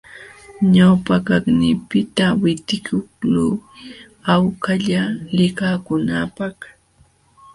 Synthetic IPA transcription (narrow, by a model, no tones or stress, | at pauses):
ɲawpakaknɪːpɪt̪awɪt̪ɪkʊkluː | awkaʎalɪkakʊnaːpɑχ